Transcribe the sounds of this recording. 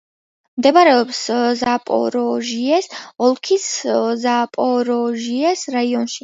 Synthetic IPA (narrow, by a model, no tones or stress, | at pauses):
md̪ɛbaɾɛɔpszapʼɔ̰ɾɔʒiɛsɔlˠkʰiszapʼɔɾɔʒiɛsɾaiɔnʃi̥